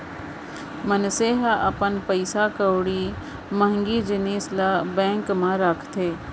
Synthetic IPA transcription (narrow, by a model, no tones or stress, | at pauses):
mənseːɦaʔɐpənpəɪsakəwɽi | mə̃ɦŋɡid͡ʒɪniːslabɛ̃ːŋkmãɾəkʰt̪ʰeː